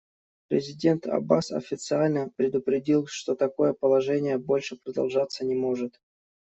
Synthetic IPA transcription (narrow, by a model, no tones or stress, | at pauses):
pɾʲɪzʲɪdʲe̞nt̪ɐ̰basɐ̰fʲɪt̪sɨalʲnəpɾʲɪd̪ʊpɾʲɪdʲilˠʂt̪o̞t̪ɐko̞jəpəlˠɐʐɛnʲɪjəbo̞lʲʂɨpɾəd̪ɐ̰lˠʐat̪sːənʲɪmo̞ʐɨt̪